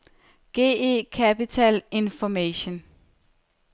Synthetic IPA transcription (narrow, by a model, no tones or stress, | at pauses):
ɡ̥e̝̰ːḛkʰæpit͡sʰɛle̝nfɒmeɕon